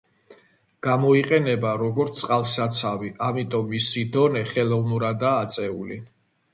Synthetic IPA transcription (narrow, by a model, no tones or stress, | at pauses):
ɡ̥amɔiqʼɛnɛbaɾɔɡɔɾt̪sʼqʼalˠsat̪sʰaviʔamit̪ʼɔmːisid̪ɔnɛχɛlˠɔvnuɾad̪aːt̪sʼɛuli